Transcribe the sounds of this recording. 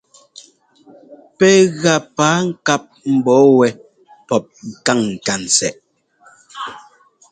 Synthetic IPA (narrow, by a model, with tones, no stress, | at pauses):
pɛ˦ɣa˨paː˨˦ŋ̩˦˨ka˦p̚m̩˨bɔː˨˦wɛ˨ | pɔ˦p̚ŋ̩˨ka˦˨ŋ̩ː˨ka˨n̩˨t͡sɛ˨ʔ